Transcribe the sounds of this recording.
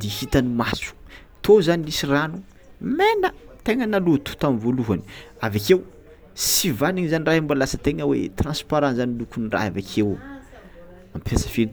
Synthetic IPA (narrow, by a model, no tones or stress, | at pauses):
d̪ihit̪anumasu̥ | t̪ʰozanilisiranu | menət̪eŋənalut̪u̥t̪amivoluɦani̥avakew | sivaniɲizaniraɦambalasət̪eŋəwḛt̪rãnspaɾanzanilukunira̰javakʰew | ampʰasə̥fiɾ